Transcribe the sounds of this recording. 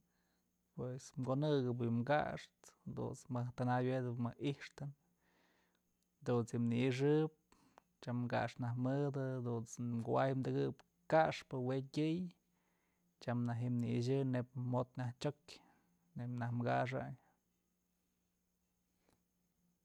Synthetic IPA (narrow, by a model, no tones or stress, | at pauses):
pwesmkonɨɡɨp̬mɡa̰ʔʂt̪d̪ṵnt͡smɨht̪anajed̪ɨpmɨiʂt̪ɨn | d̪unsimniiʂ̬ɨp̚ | t͡ʃamɡa̰ʂnahmɨd̪ɨd̪unt͡smɡuajmd̪ɨɡɨp | kaʂpɨwetʲɨj | t͡ʃamnaɦimniiʃ̬ɨnep̚mot̪̚ɲʲaht͡ʃokʲ | nepnahmɡa̰ʂ̬a̰ɲ